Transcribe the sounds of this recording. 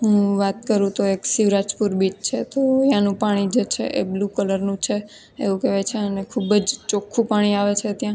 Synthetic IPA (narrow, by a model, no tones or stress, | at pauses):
ɦũʋat̪kəɾũt̪oeksiʋɾad͡ʒpuɾbit͡ʃt͡ʃʰet̪ojãnũpaɽ̃id͡ʒet͡ʃʰḛʔḛblukələɾnũt͡ʃʰe | ḛʋũkeʋet͡ʃʰeənekʰubəd͡ʒt͡ʃokʰːũpaɽ̃iaʋet͡ʃʰet̪jã